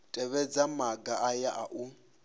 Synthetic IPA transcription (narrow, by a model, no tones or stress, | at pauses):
tʼɛβɛd͡zamaɡaʔajaʔaʔu